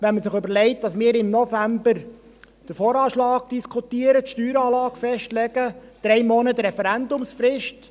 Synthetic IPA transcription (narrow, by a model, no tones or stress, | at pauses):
ʋɛnməsɪχʉbəɾlɛɪt̚d̥ɑsmɪːɾɪmnɔfæmbəɾ | d̥əɾfɔːɾɑːʃlɑːɡ̚d̥iskʰutiːəɾətʃtyːɾɑːlɑːkfɛʃtlɛɡəd̥ɾɛjmɔnətɾɛfɛɾænd̪ʊmsfrɪʃt